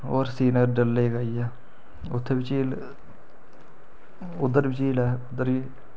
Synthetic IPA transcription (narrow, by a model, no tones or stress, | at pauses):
oːɾsiːnəɾɖəlːeːkaijaː | ʊt̪ʰːeːbɪt͡ʃiːl | ʊd̪ːəɾbɪt͡ʃiːlɛːʊd̪əɾiː